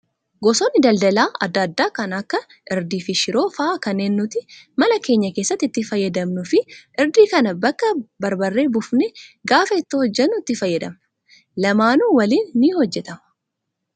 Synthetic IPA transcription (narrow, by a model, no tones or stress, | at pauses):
ɡɔsoːnːɪd̪ɐld̪ɐlaːɐd̪ːɐd̪ːaːkɐnɐkːɐ | ʔɪɾd̪iːfɪʃɪɾo̞ːfɐʔaːkɐnːe̞ːnːʊt̪ɪmɐlɐke̞ːɲːɐke̞ːsːɐt̪ːɪt̪ːɪfɐjːɛd̪ɐmnʊfɪʔɪɾd̪iːkɐnɐbɐkːɐbɐɾbɐrːe̞ːbʊfnɛɡaːfɐɪt̪ːɪhɔd͡ʒːɛnːʊɪt̪ːɪfɐjːɐd̪ɐm | lɐmaːnuːwɐliːnːihɔd͡ʒːɛt̪ɐmɐ